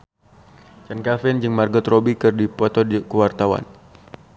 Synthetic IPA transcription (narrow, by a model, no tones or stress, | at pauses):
t͡ʃankafɛnd͡ʒɨŋmarɡɔt̪robikɨrdipɔt̪ɔdkuwart̪awa̰n